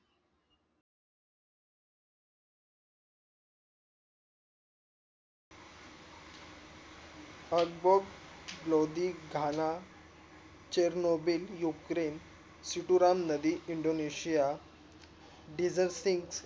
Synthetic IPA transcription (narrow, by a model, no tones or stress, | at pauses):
əɡboɡblod̪iɡʱana | t͡ɕeɾnobiljukɾen | siʈuɾamnəd̪iiɳɖoneɕija | ɖid͡zəɾsiŋɡs